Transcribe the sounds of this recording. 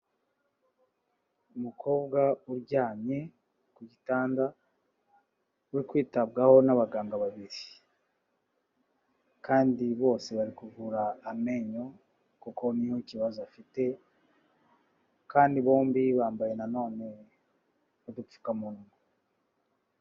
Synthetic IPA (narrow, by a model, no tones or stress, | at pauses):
umukʰo̞ːbɡauɾɟaːɲe̞ | kuɟitaːnda | weikwiːtab̚ɡaho̞naβaɡaːŋɡaβaβiɾi | kaːndiβo̞ːse̞βaɾikuvuɾaːme̞ɲo̞ | koko̞nihociβazoafite̞ | kaːndiβo̞ːmbiβaːmbaje̞nano̞ːne̞ | udup͡ffu̥kamunumo